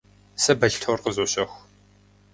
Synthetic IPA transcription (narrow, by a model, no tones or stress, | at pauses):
sɐbɐɬtʰorqəzoːɕɐx